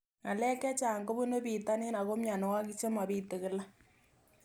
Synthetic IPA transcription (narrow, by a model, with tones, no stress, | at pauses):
ŋa˨lɛ˦kɛ˦t͡ʃaː˨ŋɡo˦bu˦no˦biː˨ta˦ne˦na˨ɣo˦mja˨no˨wa˦ki˦t͡ʃe˦ma˨bi˦te˨kɪ˦la˦